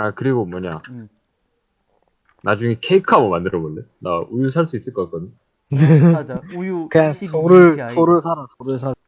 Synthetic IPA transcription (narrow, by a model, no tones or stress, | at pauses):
akɯɾiɡomwʌɲa | nad͡ʑuŋekʰe̞ikʰamomandɯɾʌbolːena̰ujus̬ʰaɭs͈uis͈ɯɭk͈ʌk͈ak͈ʰʌdɯ | kɯɲaŋsʰoɾɯɭsʰoɾɯɭsʰaɾasʰoɾɯɭs̬ʰa